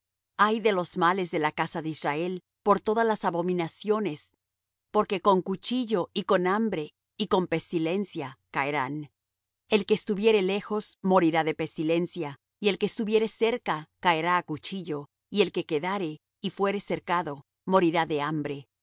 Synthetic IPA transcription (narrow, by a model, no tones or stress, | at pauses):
ajðe̞lo̞zmale̞zðe̞lakasaðeizrae̞l | po̞ɾt̪o̞ðalasaβo̞mĩnasjo̞ne̞s | po̞ɾke̞ko̞ŋkut͡ʃiʝo̞iko̞nambɾe̞ | iko̞mpe̞st̪ile̞nsjakaeɾan | e̞lke̞ːst̪uβje̞ɾe̞le̞xo̞zmo̞ɾiɾaðe̞pe̞st̪ile̞nsja | ie̞lkeːst̪uβje̞ɾe̞se̞ɾkakaeɾaːkut͡ʃiʝo̞ | ie̞lke̞ke̞ðaɾe̞ | ifwe̞ɾe̞se̞ɾkaðo̞ | mo̞ɾiɾaðe̞ambɾe̞